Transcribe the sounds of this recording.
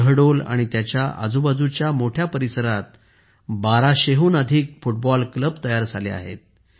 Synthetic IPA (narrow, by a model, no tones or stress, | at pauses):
əɽola̰ɽ̃it̪jat͡ɕjaʔə̰d͡zubad͡zut͡ɕjamoʈʰjapəɾisəɾat̪̚ | baɾaɕeɦuːnəd̪ʱiːkfuʈbɔlkləbt̪əjaɾd͡zʱalḛa̰ɦḛt̪̚